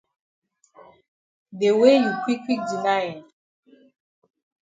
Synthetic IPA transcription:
de˨we˦ju˨kwi˦ki˦di˨na˦jɛ˨

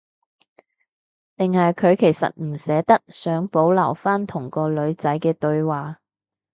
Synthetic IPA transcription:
t̪ɪ˨ŋhɐ˨jkʰɵ˨˧ɥkʰe˨˩jsɐ̰˨t̚m̩˨˩sɛː˨˧˥t̪ɐ˥k̚sœː˨˥ŋpo˨˥wlɐ˨˩wfaː˥nt̪ʰʊ˨˩ŋkɔː˧lɵ˨˧ɥt͡sɐ˨˥jkɛː˧t̪ɵ˧ɥwaː˨˩

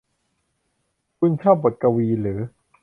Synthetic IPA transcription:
kʰu˧nkʰaː˥˩bo˨˩t̪̚ka˧wiː˧lɯː˩˦

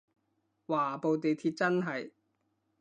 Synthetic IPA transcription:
waː˨˩po˨˧wt̪e˨jt̪ʰiː˧t̚t͡sɐ˥nɦɐ˨j

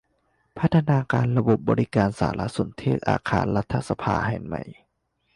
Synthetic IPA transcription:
pʰa˦˥t̪ʰːa˧naː˧kaː˧nɾa˧bo˨˩p̚bɔː˧ɾi˦˥kaː˧nsa̰ː˩˦la̰˦˥so˨˩˦nt̪ʰeː˥˩t̪̚ʔa̰ː˧kʰa̰ː˧nɾa˦˥t̪ʰːa˧˩sa˧pʰa̰ː˧ha̰˨˩nma̰˨˩j

